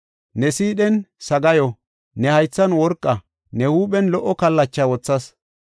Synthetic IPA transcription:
nɛsiːɗɛnsɐɡɐjɔ | nɛhɐjt͡sːɐnwɔɾkʼːɐ | nɛhuːɓɛnlɔʔːɔkɐlːɐt͡ʃːɐwɔt͡sːɐs

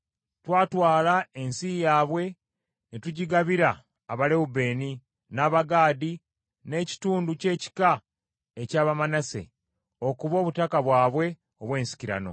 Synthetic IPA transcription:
twaːtwaːlaensijaːβwe̞ | netuɟiɡaβiɾaː | βale̞ube̞ːni | naːβaɡaːdi | ne̞ːci̥tuːnduce̞ːci̥ka | ecaːβamanase̞̰ | o̞kuβo̞ːβutakaβwaːβwe̞ | o̞βwe̞ːnsi̥ciɾa̰no̞̰

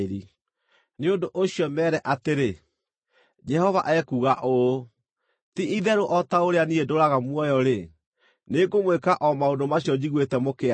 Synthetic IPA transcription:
ɾi | neondoʔoɕiɔmɛːɾɛʔateɾe | d͡ʒɛhɔvaʔɛkuɣaʔo | tiʔiðɛɾoʔɔtaoɾeaniedoɾaɣamwɔjɔɾe | neɡomwekaʔɔmaondomaɕjɔd͡ʑiɣwetɛmokea

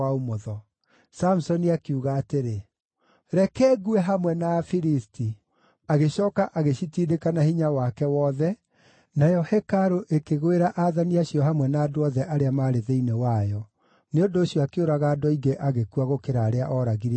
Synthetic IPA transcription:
aomoðɔ | sam̩usɔniakeuɣaːteɾe | ɾɛkɛːɣuɛɦamwɛnafiɾisti | aɣeʃɔːkaʔaɣeɕitiːdekanahiɲawakɛwɔːðɛ | najɔhɛkaɾoʔekeɣweɾaʔaðaniaɕjɔhamwɛnaːdoɔðɛʔaɾeamaɾeðeinewajɔ | neondoːɕijɔakeoɾaɣaːdɔiɡeʔaɣekuaɣokeɾaːɾeaʔɔɾaɣiɾ

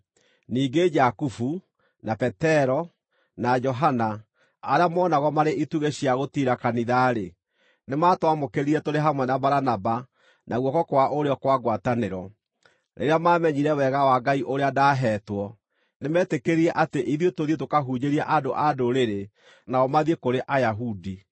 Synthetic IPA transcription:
niːɡed͡ʒakufu | napɛtɛɾɔ | nad͡ʒɔɦanaː | ɾeamɔnaɣɔmaɾeʔituɣeɕiaɣotiɾakaniðaɾe | nematwamokeɾiɾɛtoɾeɦamwɛnabaɾanaba | nʔaɣwɔkɔkowaʔoɾeɔkwaɡwataneɾɔ | ɾʔḛɾeamaːmɛɲiɾɛwɛɣawaɡaiʔoɾeadaɦɛːtwɔ | nemɛːtekeɾiɛʔateʔiðjotoðiet̬okaɦuɲeɾiɛʔadoʔadoɾeɾe | naɔmaðiekoɾeʔajaɦudi

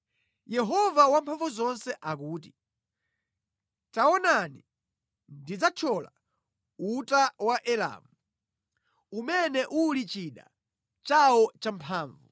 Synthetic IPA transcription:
jɛɦɔvawampʰaɱvuzɔnsɛʔakuːt̬i̥ | taɔnani | ndid͡zat͡ʃʰɔla̰ | utawaʔɛla̰mu | umɛnɛʔulit͡ʃiɗa̰ | t͡ʃaɔt͡ʃampʰaːɱvu

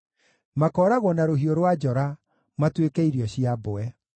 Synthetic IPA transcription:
makɔɾaɣwɔnaɾoɦioɾwad͡ʒɔɾa | matwekɛiɾiɔɕiaboɛ

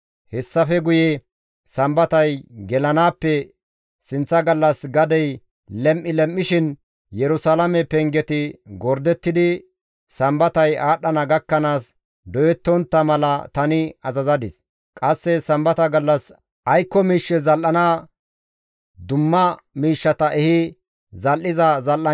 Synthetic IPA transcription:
hɛsːɐfɛɡʊjɛ | sɐmbɐt̪ɐjɡɛlɐnaːpːɛ | sɪnt͡sːɐɡɐlːɐsɡɐd̪ɛj | lɛmʔːɪlɛmːɪʃɪn | jɛɾʊsalɐmɛpɛŋɡɛt̪ɪɡɔɾd̪ɛt̪ːɪd̪ɪ | sɐmbɐt̪ɐjaːɗɐnɐɡɐkːɐnaːs | d̪ɔjɛt̪ːɔnt̪ːɐmɐlɐt̪ɐnɪɐzɐzɐd̪ɪs | kʼɐsːɛsɐmbɐt̪ɐɡɐlːɐs | ɐjkːɔmiːʃːɛzɐlʔɐnaː | d̪ʊmːɐ | miːʃːɐt̪ɐʔɛhɪ | zɐlʔɪzɐzɐlʔɐ

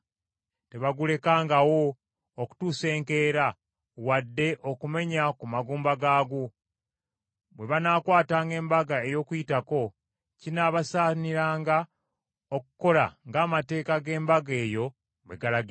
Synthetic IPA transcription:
te̞βaɡule̞kaːŋɡawo̞ː | ku̥tuːse̞ːŋke̞ːɾa | wadːe̞ʔo̞kume̞ɲakumaɡuːmbaɡaːɡu | βwe̞βanaːkwaːtaːŋɡe̞ːmbaɡae̞jo̞ːkujitako̞ | cinaːβasaːniɾaːŋɡa | okuko̞la̰ŋɡaːmate̞ːkaɡe̞ːmbaɡe̞ːjo̞ | βwe̞̰ɡalaɡi

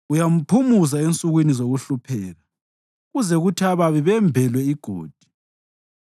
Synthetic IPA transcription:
ujam̩pʰumuzaent͡sʼuɣwinizoɣuɬupʰɛːla | ɣuzɛɣutʰiaβaβiβɛmbʱɛlwɛiɡ̥ʱo̰ːd̥ʱi̥

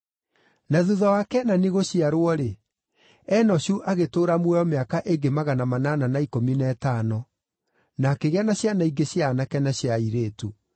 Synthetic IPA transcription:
naðuðɔwakɛnaneɣoɕiaɾwɔɾe | ɛnɔɕuʔaɣetoːɾamwɛɔmeakaʔeɡemaɣanamanananaikominɛtaːnɔ | nakeɣeanaɕjanaiɡeɕjanakɛnaɕjaiɾeːtu

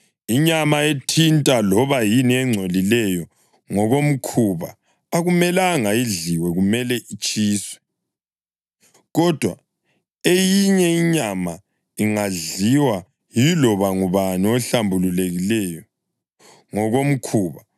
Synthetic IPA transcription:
iɲamaetʰintʼalɔβajiniɛŋ͡ǀʱolilɛjɔ | ŋɔɣom̩kʰuβa̰ː | ɣumɛlaŋajiɮiwɛɣumɛlɛʔit͡ʃʼiːswɛ | ɣɔd̥ʱwa | ejiɲɛiɲama | iŋaɮiwa | jilɔβaŋuβaniɔɬambʱululeɣilɛjɔ | ŋɔɣom̩kʰuːβa

